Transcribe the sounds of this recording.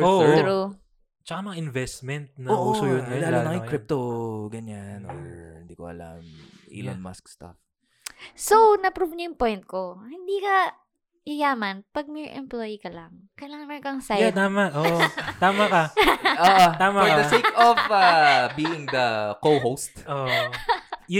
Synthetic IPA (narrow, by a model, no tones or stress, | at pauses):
oːɾo | t͡ʃɐkamɐŋaʔɪnvɛst̪mɛnt̪̚nɐoːʔosojʊnːɐlaːlonɐŋɪkɾɪp̚t̪oɡɐɲano̰hɪnd̪iːkoɐ̰la̰mʔḭlo̰nma̰skst̪a̰f | sownɐpɾuvɲɐjʊŋpojnt̪̚kohɪnd̪iːkɐ | ʔɪjaːmɐnpɐɡ̚mɛʔɛ̰mplojkɐlɐŋ | kɐlaŋnɐkɐŋsajat̪aːmɐʔʔoːʔt̪aːmɐkɐoʔot̪aːmaɔd̪ɐsejkɔvabiːɪŋd̪ɐkowɦowst̪oʔ